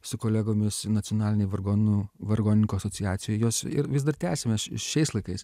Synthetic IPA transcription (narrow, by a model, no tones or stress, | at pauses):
sʊkoːlʲæːɡoːmʲɪsnɐt͡s̪ʲɪonɑːlʲɪnʲɛɪʋɐɡoːnuʋɐrɡoːnʲɪŋkuːɐsoːt͡s̪ʲɪɑːt͡s̪ʲɪjoːjjoːsɪ̰ɾʋʲɪzd̪ɐrt̪ʲæːsʲemʲɛɪʃʲɛɪslˠɐɪkɐɪs